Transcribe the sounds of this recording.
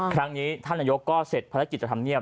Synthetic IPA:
kʰɾa˦˥ŋniː˦˥t̪ʰa˥˩nːaː˧jo˦˥kːɔː˥˩se˨˩t̪̚pʰaː˧ɾa˦˥ki˨˩t̪̚t͡ɕa˧t̪ʰa˧mni˥˩əp

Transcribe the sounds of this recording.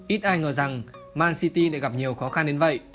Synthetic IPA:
ʔi˦˥t̚ʔaː˧jŋəː˨˩za˨˩ŋmaː˧nsi˧t̪i˧ɗa̰˧˨ɣa˨˩p̚ɲi˨˩əwxɔ˨˦xa˧nɗe˨˦nvə̰˧˨j

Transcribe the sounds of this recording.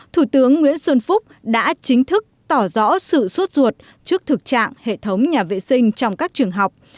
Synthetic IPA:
t̪ʰu˧˩t̪ɨ˨˦əŋːwḭ˧˥ənswə˧nfʊ˦˥k͡p̚ɗa̰ː˧˥t͡ɕï˨˦ŋ̟t̪ʰɨ˦˥k̚t̪ɔ˧˩zɔ̰˧˥sɨ̰˧˨swə˦˥t̚zu˨˩ət̚ | t͡ɕɨ˦˥ək̚t̪ʰɨ˨˩k̚t͡ɕa̰ː˧˨ŋhḛ˧˨t̪ʰə˨˦wŋ͡mɲaː˨˩vḛ˧˨sï˧ŋ̟t͡ɕɔ˧wŋ͡mkaː˦˥k̚t͡ɕɨ˨˩əŋɦa˨˩wk͡p̚

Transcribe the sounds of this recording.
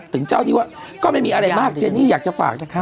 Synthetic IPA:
t̪ʰɯ˩˦ŋt͡ɕaː˥˩wniː˧˩waː˥˩ | kɔː˥˩ma˥˩jmiː˧ʔɾa˧jmaː˥˩k̚t͡ɕe˧nːiː˥˩jaː˨˩k̚t͡ɕa˨˩fa̰ː˨˩k̚

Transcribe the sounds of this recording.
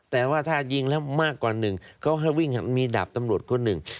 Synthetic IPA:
t̪ɛː˨˩waː˥˩t̪ʰaː˥˩ji˧˩ŋlɛ˦˥wmaː˥˩kːwaː˨˩nɯ˨˩ŋkʰa˦˥wɦa˥˩jwi˥˩ŋhmiː˧da̰˨˩p̚t̪a˧mɾu˨˩ət̪̚kʰo˧nːɯ˨˩ŋ

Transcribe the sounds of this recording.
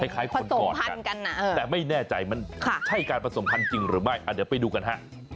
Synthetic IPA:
kʰa˧˥˩jkʰaː˩˦˥jkʰnsokɔː˦˨˩pʰa˧ka̰˧nka˧nːa˧˩ʔ̪ːɛː˨˩ma˥˩jnɛː˥˩t͡ɕa˧jma˧nkʰa˧˥˩t͡ɕʰa˥˩jkaː˧npʰa˧so˩˦mpʰa˧nt͡ɕi˧ŋɾɯː˩˦ma˥˩jʔa˨˩d̪iː˩˦wpa˧jduː˧ka˧nɦa˦˥˩

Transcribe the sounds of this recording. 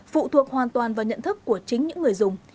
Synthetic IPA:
fṵ˧˨t̪ʰu˨˩ək̚hwaː˨˩nt̪waː˨˩nvaː˨˩ɲə̰˧˨nt̪ʰɨ˦˥kːu˧˩ət͡ɕï˨˦ŋ̟ɲɨ̰˧˥ŋː˨˩əjzʊ˨˩ŋ͡m

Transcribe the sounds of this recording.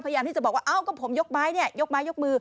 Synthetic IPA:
pʰa˧jaː˧t̪ʰi˥˩t͡ɕɔː˨˩k̚waː˥˩ʔaː˧˩wkɔː˥˩pʰo˩˦mjo˦˥k̚maː˦˥jni˥˩ɐjo˦˥k̚maː˦˥jo˦˥k̚mɯː˧

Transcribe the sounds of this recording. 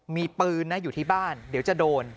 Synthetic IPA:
miː˧pɯː˧nːa˦˥juː˨˩t̪ʰiː˥˩baː˥˩ndi˩˦wt͡ɕa˨˩doː˧n

